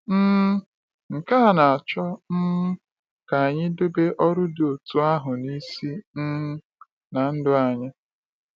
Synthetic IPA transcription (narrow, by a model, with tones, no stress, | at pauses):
m̩˦ | ŋ̩˨ka˦˨na˨a˨t͡ʃɔ˦n̩˦ | ka˨a˨ɲɪ˦dʊ˦be˦ʔɔ˦ɾʊ˦do˨tu˦a˦ɦʊ˨ni˦si˦n̩˦ | na˨n̩˦dʊ˦a˨ɲɪ˦